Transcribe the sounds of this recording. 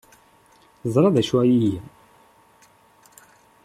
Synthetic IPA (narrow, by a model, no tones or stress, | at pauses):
zˤɾˤɑðæʃwæjiji